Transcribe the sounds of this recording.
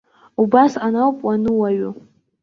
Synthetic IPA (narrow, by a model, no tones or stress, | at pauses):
ubasanawpʼwanɨwaɥʊ